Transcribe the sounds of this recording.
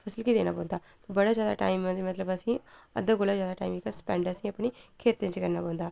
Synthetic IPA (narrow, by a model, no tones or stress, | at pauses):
pʰɐsəlkid̪eːna̰pɔ̃ːnd̪aː | t̪obɐɽad͡ʒjaːd̪a̰ʈa̰ːɪmːə̃imɐt̪ləbɐsĩɐ̰d̪əɡolazjaːd̪aʈa̰ːɪmikaspɛ̃ːɳɖɐsĩɐpɳikʰeːt̪ːẽnt͡ʃkɐɾnaːpɔ̃ːnd̪aː